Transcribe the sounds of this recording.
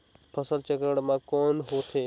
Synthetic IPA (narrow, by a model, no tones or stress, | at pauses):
pʰəsəlt͡ʃəkɾəɽmãkoːnɦoːt̪ʰeː